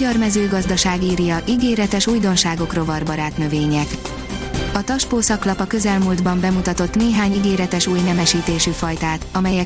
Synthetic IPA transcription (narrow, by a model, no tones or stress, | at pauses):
ɒrmɛzøːɡɒzd̪ɒʃaːɡiːɾjɒʔiɡeːɾɛt̪ɛʃuːjd̪o̞nʃaːɡo̞kro̞vɒrbɒɾaːt̪nø̞veːɲɛk | ɒt̪ɒʃpoːsɒklɒpɒkø̞zɛlmuːld̪bɒmbɛmut̪ɒt̪o̞t̪neːɦaːɲiɡeːɾɛt̪ɛʃuːjnɛmɛʃiːt̪eːʃyfɒjt̪aːt̪ɒmɛjɛ